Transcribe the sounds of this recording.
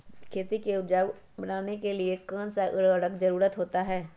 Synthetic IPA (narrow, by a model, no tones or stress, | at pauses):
kʰeːt̪ikeʊd͡ʒaːʋ | bɐnaːnekeliekãːnsaʔəɽəɽəkzɐɾuːɾət̪ɦoːt̪aɦɛː